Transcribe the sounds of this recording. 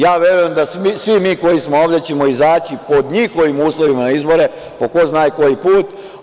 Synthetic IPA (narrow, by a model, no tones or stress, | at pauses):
jaːʋje̞ɾujemd̪asisʋimiːko̞jismooʋd̪et͡ɕemo̞izaːt͡ɕipo̞d̪ɲixo̞ʋimuːslˠo̞ʋimanaizbo̞ɾe̞ | poko̞znaːjko̞jipuːt̪